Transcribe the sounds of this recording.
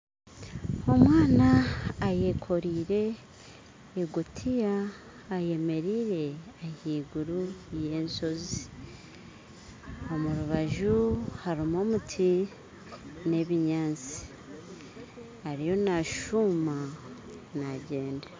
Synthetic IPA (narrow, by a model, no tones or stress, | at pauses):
o̞mwaːnaːje̞kʰo̞ɾiːɾe̞ | ɡutʰijaː | je̞me̞ɾiːɾe̞ahiːɡuɾuje̞ːnso̞zi | o̞muɾuβaʒuhaɾimo̞ːmutʰi | ne̞βiɲaːnt͡si̥ | haɾijo̞naʃuma | naɟe̞ːnde